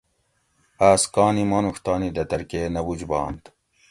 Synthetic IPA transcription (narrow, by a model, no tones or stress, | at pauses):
aːskɑːnimɑːnuxt̪ɑːnid̪ɐt̪ɐɾkeːnɐbud͡ʑbɑ̰ːnt̪